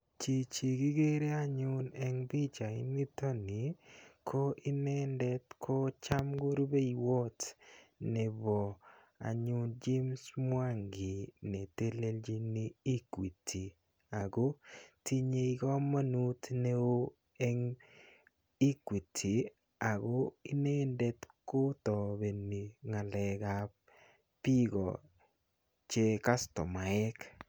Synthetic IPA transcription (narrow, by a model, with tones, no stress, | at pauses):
t͡ʃi˨t͡ʃi˨ɡɪ˦ɡe˦ɾe˦a˦ɲʊ˦nɛ˦ŋbi˦t͡ʃa˨ḭ˦ni˦to˦ni˨kʰo˦ʔɪ˦nɛ˦ndɛ˦tkʰo˦t͡ʃa˦mɡo˦ɾu˦be˦i˨wo˦tnɛ˨bɔ˨ | a̰˨ɲʊ˦nd͡ʒi˦msmwa˦ŋɡɪ˨ne˨te˦le˦ld͡ʒi˦niː˦kwi˨tʰi˨ | a˨ɡo˦ti˦ɲe˨i˦ɡɔ˦ma˦nu˦tne˦o˦ | ɛ˦ŋ | i˦kwi˨tʰi˨ | a˨ɡo˦i˦ne˦nde˦tkʊ˦tɔ˨be˨nːi˨ŋa˨lɛ˨ka˨p | pi˦ɡɔ˨ | t͡ʃe˦ka˦stɔ˨ma˨ɛ˦k